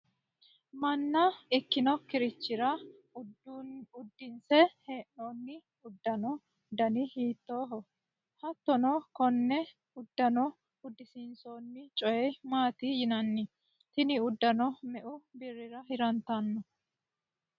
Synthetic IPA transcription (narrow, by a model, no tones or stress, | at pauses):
mɐnːɐɪkːɪnɔkɪɾɪt͡ʃːɪɾɐ | ʊd̪ːɪnsɛheːʔonːɪ | ʊd̪ːɐnɔ | d̪ɐnɪhiːt̪ːo̞ːɦɔ | hɐt̪ːɔnɔkɔnːɛ | ʊd̪ːɐnɔ | ʊd̪ːɪsɪnsoːnːɪt͡ʃʼɔjɛmaːt̪ɪjɪnɐnːɪ | t̪ɪnɪʊd̪ːɐnɔmɛʔʊbɪrːɪɾɐɦɪɾɐnt̪ɐnːɔ